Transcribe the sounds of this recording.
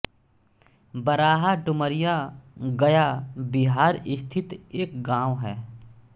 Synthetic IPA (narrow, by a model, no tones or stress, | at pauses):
bəɾaːɦaɖʊməɾɪjaɡəjabiɦaːɾɪst̪ʰɪt̪eːk̚ɡãːwɦɛː